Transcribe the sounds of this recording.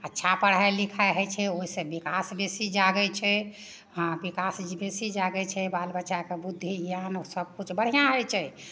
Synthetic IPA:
ətːʃʰapəɽ̤ajlikʰajɦəjt͡ʃʰɛoisẽbikasbesid͡ʒaɡɛt͡ʃʰɛ | ɦãbikasbesid͡ʒaɡɛt͡ʃʰɛbalbətːʃakebud̪ʱːianosəb̚kut͡ʃʰbəɽ̤ijãɦojt͡ʃʰɛ

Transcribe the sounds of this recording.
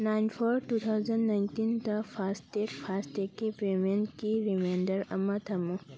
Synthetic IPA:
najnpʰoɾʈut̪ʰawzɐnnajntind̪ɐpʰastekpʰastekipɾemẽnkiɾimenɖəɾɐ̰mɐt̪ʰɐmu

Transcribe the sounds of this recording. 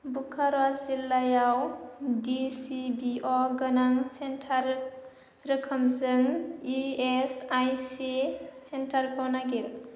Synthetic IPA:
bukʰaɾwazilːajawdisibiʔɔɡənaŋsentʰaɾ | ɾəkʰəmzɯŋiesajsisentʰaɾkʰɔwnaɡiɾ

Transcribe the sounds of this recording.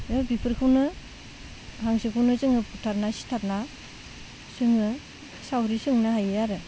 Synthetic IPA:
ɯbipʰɯɾkʰɯwnɯ | haŋsikʰawnɯzɯŋɯputʰaɾnasi̥tʰaɾna | sɯŋɯ | sawɾisɯŋnaɦajɯaɾɯ

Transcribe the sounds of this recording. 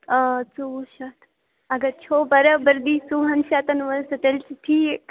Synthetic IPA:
t͡suʃat̪ | ɐɡɐt͡ʃʰoːbɐɾɐbɐɾd̪iːsuːɦɐnʃaːt̪ɐnʋɐlsɐt̪elt͡ʃiʈʰiːk

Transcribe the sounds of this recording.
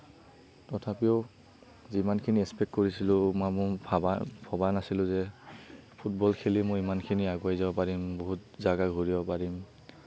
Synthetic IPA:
tɔtʰapiɔ | zimankʰiniɛspɛkt̚koɹisilʊ̃mamʊ | bʰʱɔbanasilʊ̃zɛ | pʰut̚bɔlkʰelimoimankʰiniaɡuajzabɔpaɹimboɦut̚zaɡaɡʱuɹibɔpaɹim

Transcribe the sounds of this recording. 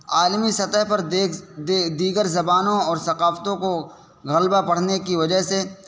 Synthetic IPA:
aːlmisɐt̪əɦpɐɾ | d̪iːɡəɾzɐbaːnõɔːɾsɐqaːft̪õko | ɣɐlbapɐɽ̤nekiʋɐd͡ʒəɦse

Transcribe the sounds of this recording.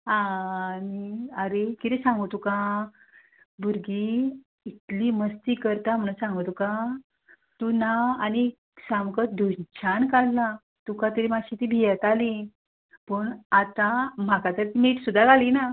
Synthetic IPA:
ãniəɾekit̪ɛsãŋɡot̪ukã | buɾɡi | it̪liməst̪iːkəɾt̪am̤əɽũsãŋɡot̪ukã | t̪unaani | sãmkət̪̚d̪ʱunt͡ɕʰankalːa | t̪ukãt̪əɾimaɕit̪ibʱijət̪ali | pəɳat̪ãm̤akat̪əɾt̪imeʈsud̪ʱːaɡalina

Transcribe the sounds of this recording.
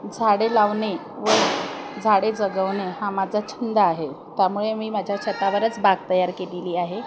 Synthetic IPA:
d͡zʱaɽelaʋɳe | ʋəd͡zʱaɽed͡zəɡəʋɳeɦamad͡zʱat͡ɕʰind̪aːɦet̪jamuɭemiːmad͡ʑʱjaɕət̪aʋəɾət͡sbaɡ̚t̪əjaɾkeliliːaɦe

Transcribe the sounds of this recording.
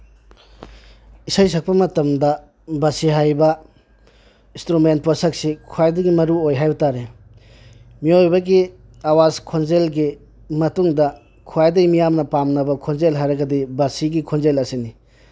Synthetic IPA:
isajs̬ɐk̚pɐmɐtɐmdɐ | bɐsiɦajbɐ | istɾument̚posɐk̚sikʰuajdɐɡimɐɾuojɦajbɐtaɾe | miojbɐɡi | awaskʰonzelɡi | mɐtuŋdɐ | kʰuajdɐɡimijamnɐpamnɐbɐkʰonzelɦajɾɐɡɐdibɐsiɡikʰonzelɐsini

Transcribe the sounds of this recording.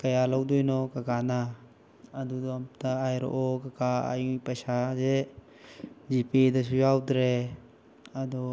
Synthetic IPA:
kɐjalawdɔjnɔkakanaː | d̪ud̪ɔamtaajɾɔ̰ʔɔkakaa̰jŋpajsaze | zipedas̬ujawdɾe | ad̪ɔ

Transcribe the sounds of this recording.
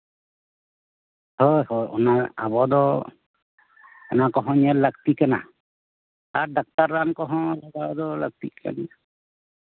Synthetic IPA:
hɔjhɔjɔ̰naa̰bɔd̪ɔ | ɔnakɔɦɔ̃ɲalak̚t̪ikana̰ | aɾdak̚t̪aɾːankɔɦɔ̃laɡad̪ɔla̰k̚t̪ḭkʰa̰n

